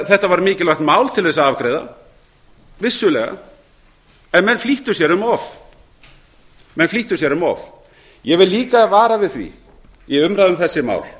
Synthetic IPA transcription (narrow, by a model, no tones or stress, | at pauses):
θɛht̪avaɾmɪːcɪlaxt̪maːwlt̪ʰɪlθɛsaavkɾeːjða̰ | vɪsːʏlɛːɣa̰ | ɛnmɛnfliht̪ʏsjɛɾʏmɔv | mɛnfliht̪ʏsjɛɾʏmɔ̰v | jɛvɪðlːiːkavaːɾavɪðθvḭ | jɛʏmɾaðʏmθɛsːɪma̰ːwl